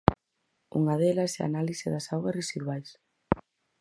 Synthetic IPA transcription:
ṵŋɐðɛlɐsɛa̰naliseðɐsawɣɐsresiðwajs

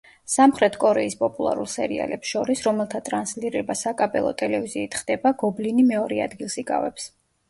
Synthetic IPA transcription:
samχɾɛt̪ʰkʼɔɾɛispʼɔpʼulˠa̰ɾulˠsɛɾḭa̰lɛpsʃɔɾisɾɔmɛlˠt̪ʰat̪ʼɾansliɾɛbasakʼabʼɛ̰lˠɔ̰t̪ʼɛlɛviziːt̪ʰχd̪ɛbaɡɔblinimɛɔɾɛad̪ɡilˠsikʼa̰vɛps

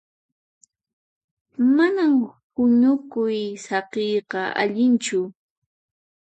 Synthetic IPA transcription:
manamhʊɲʊkʊjsɑqejqɑʔa̰ʎɪnt͡ʃʊ

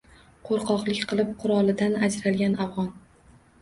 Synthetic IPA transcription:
qʰoɾqʰɒqlˠɪkʲqʰɨlˠɪp̚qʰʊɾɒlˠɪd̪anad͡ʒɾalɡʲanavʁɒn

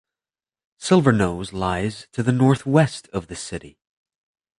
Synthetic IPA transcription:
sɪlˠvə˞noʊzlaɪz̥tʰɨðɨnɔɹθwɛstʌvðɨsɪɾḭ

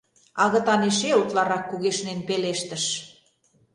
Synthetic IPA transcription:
ɑɣə̆t̪ɑneʃeut̪lɑɾɑkːuɣeʃnenpeleʃt̪ə̆ʃ

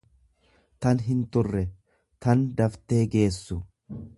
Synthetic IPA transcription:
t̪ɐnɦɪnt̪ʊrːɛ | t̪ɐnd̪ɐft̪e̞ːɡe̞ːsːʊ

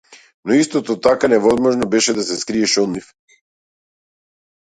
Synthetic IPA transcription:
nɔist̪ɔt̪ɔt̪akanɛvɔzmɔʒnɔbɛʃɛd̪asɛskɾiɛʃɔd̪nif

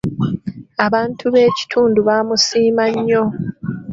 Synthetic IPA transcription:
aβaːntʰuβe̞ːci̥tʰuːnduβamusiːmaɲːo̞

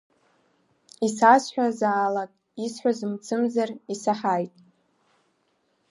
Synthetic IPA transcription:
isasħᶣʷazaːlakʼ | isħʷᶣazɨmt͡sʰɨmzarisaħajtʼ

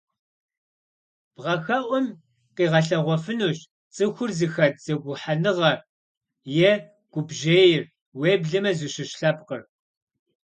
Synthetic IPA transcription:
b̥ʁɐxɐʔʷɔm | qiːʁɐɬɐʁʷɔfɨnuːɕ | t͡sʼɨxʷʊrzɨxɐd̚z̥ɐɡʷʊħanɨʁɐr | jɛ | ɡ̥ʷʊbʒeːjɪr | weːbɮɐmɐzɨɕɪɕɬɐpqər

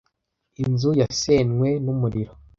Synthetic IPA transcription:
inzujasenŋwe̞numuɾiɾo

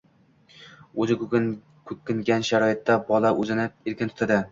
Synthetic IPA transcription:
ɵzɪ | kʰɵkʲːɪŋɡʲanʃaɾɒjɪt̪ːabɒlˠaʔɵzɪnɪeɾkʲɪnt̪ʰʊt̪ʰad̪ɪ

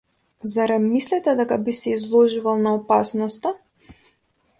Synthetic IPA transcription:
zaɾamislɛt̪ɛd̪ɛkabisɛizlˠɔʒuvalˠnaɔpasnɔst̪a

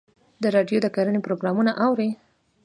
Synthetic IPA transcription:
d̪əɾɑɖjod̪əkaɾənepɾoɡɾɑmunaʔawɾe

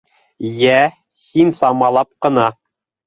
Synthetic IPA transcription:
jæ | hinsɑmɑlˠɑp̚qɤ̆nɑ

